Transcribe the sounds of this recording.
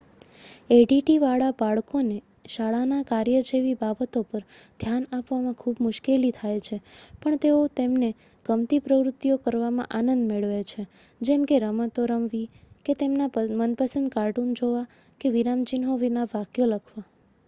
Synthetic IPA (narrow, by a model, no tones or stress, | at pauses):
eɖiʈiʋaɭabaɭkone | ʃaɭanakaɾjəd͡ʒeʋibabət̪opəɾd̪ʱjanapʋamãkʰubmʊʃkelit̪ʰajt͡ʃʰepəɳt̪eot̪emne | ɡ̥əmt̪ipɾəʋɾʊt̪ːijokəɾʋamã̰ʔanənd̪meɭʋet͡ʃʰe | d͡ʒɛmkeɾəmət̪oɾəmʋi | ket̪emnamənpəsənd̪kaɾʈund͡ʒoʋa | keʋiɾamt͡ʃinɦoʋinaʋakjoləkʰʋa